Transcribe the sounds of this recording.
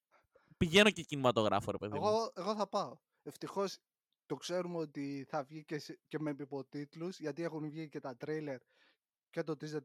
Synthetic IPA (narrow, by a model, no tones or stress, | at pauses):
piʝe̞no̞cecinimɐt̪o̞ɣɾɐ̰foɾe̞peðiɣoe̞ɣo̞θɐpɐo̞ | e̞ft̪ixo̞s | t̪o̞kse̞ɾumeot̪iθɐvʝicesce̞mepipo̞t̪it̪luzʝɐt̪ie̞xunvʝice̞t̪ɐt̪ɾejle̞ɾ | cet̪o̞t̪ize